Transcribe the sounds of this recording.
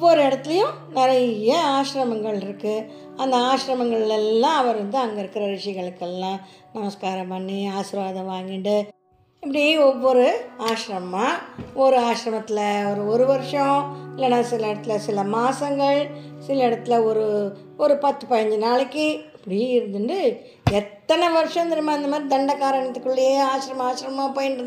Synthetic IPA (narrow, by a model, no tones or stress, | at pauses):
ɔʋːɔɾɯɛɽɐt̪ːɪlɐjʊ̃ | nɪɾɐjɐaːʂɾɐmɐŋɡɐɭɪɾɯkːɯ | ɐnd̪ɐaːʃɾɐmɐŋɡɐɭɪlɛlːãːɐʋɐɾɾɐnd̪ɯɐŋɡɐɪɾɯkːɯɾɐɾɪʂɐɪɣɐɭɯkːɛlːãː | nɐmɐskaːɾɐpɐnːiaːsɪɾʋaːðɐʋaːŋɡɪɳɖɯ | ɛpːɐɽɪjeɔʋːɔɾɯaːʃɾɐmãɔɾɯaːʂɾɐmɐt̪ːɪlɐɔɾɯɔɾɯʋɐɾʂɐ̃ɪlːɛnːãːsɪlɐɪɽɐt̪ːɪlɐsɪlɐmaːsɐŋɡɐɭsɪlɐɪɽɐt̪ːɯlɐɔɾɯ | ɔɾɯpɐt̪ːɯpɐjɛɲd͡ʒɯnaːɭɪkːɯɪpːɐɽɪjɪɾɯnd̪ɯɳɖɯ | ɛt̪ːɐnɛʋɐɾʂɔ̃ɪnd̪ɐɾɯmaːɪnd̪ɐmaːd̪ɾid̪ɐɳɖɐkaːɾɐɳɐt̪ːɯkːɯɭːɐjeːaːʂɾɐmɐaːʂɾɐmmaːpoːjɪɳɖɾ